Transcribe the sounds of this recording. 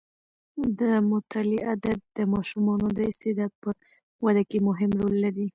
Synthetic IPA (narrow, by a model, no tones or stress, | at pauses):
d̪əmʊt̪ʰaliʔad̪ad̪̚d̪əmɑʃumɑnod̪əɪst̪ɪd̪ɑd̪̚pə | wad̪akemʊɦɪmɾolːaɾi